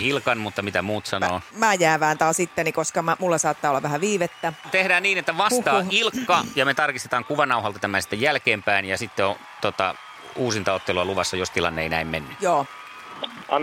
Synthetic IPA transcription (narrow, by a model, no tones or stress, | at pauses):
ilkɑnmut̪ːɑmit̪æmuːt̪sɑnoːmæːjæːʋæːnt̪ɑːsit̪ːenikoskɑmæmulːesɑːt̪ːɑːolːɑʋæhæʋiːʋet̪ːæt̪ehdæːnniːnet̪ːæʋɑst̪ɑilkːɑjɑmet̪ɑrkist̪e̥t̪ɑːŋkuʋɑnɑuhɑlt̪ɑt̪æmænsi̥t̪ːejælkeːmpæinjɑsit̪ːeo | t̪ot̪ɑ̰ | uːsint̪ɑot̪ːeloɑluʋɑsːɑjost̪ilɑ̰nːḛinæimmenːyjoː | ɑ